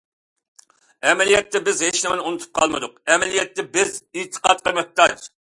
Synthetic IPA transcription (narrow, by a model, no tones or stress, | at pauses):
ɛmɛlijɛt̪ːɛbɪzheʃlɪmɪnunut̪ʰu̥p̚qʰɑlˠmɨ̰d̪ʊq̚ɛmɛlijɛt̪ːɛbɪzɪt̪ʰːə̥qʰɑt̪̚qʰəmɨh̚t̪ɑʃ